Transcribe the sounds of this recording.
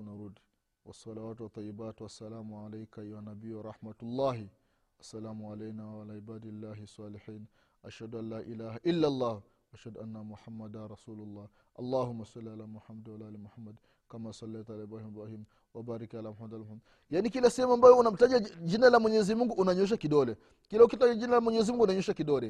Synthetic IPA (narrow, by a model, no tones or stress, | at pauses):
naɾud | wɐ̰sːɑlawaːtwat̪ˤːɑjːibaːtwasːalaːmuʕalajkaiwanabiːwaɾˤɑħmatulˤːaːɦi | ʔɐsːalaːmuʕalɛjnaːwalaːʕibaːdilːaːɦisˤːɑːlɪħiːn | ʔaʃhaduanlːaːʔilaːhaʔilːalˤːaːh | ʔaʃhaduʔanːamʊħamːadanɾˤɑsuːlʊlˤːɑːh | ʔɐ̰lːaːɦumːasɑlːialaːmuħamad̪walaʔaːlimuħamːad | kamasɑlːɛjtalaibɾaːhimbɾahiːm | wabaːɾikalamħamad̪almħamːad | janikilasɛhɛmuambajɔunam̩taʄad͡ʒinalamwɛɲɛzimuŋɡuʔːnaɲɔʃ̬akiɗɔlɛ | kilaukitaʄad͡ʒinalamwɛɲɛzimuŋɡuːnaɲɔʃakiɗɔlɛ